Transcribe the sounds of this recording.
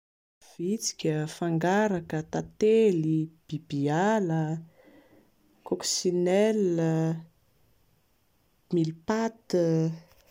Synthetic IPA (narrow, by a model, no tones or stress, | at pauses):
v̥it͡si̥kʲəfaŋɡaɾakət̪at̪elib̥ib̥ialə | koksinɛlə | milpat̪ə